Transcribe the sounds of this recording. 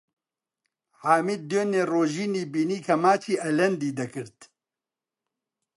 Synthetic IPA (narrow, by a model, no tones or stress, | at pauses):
haːmiːd̪̚d̪øːneːroːʒiːniːbiːniːkʰɐmaːt͡ʃʰiːʔɐlɐnd̪iːd̪ɐkʰɨɾt̪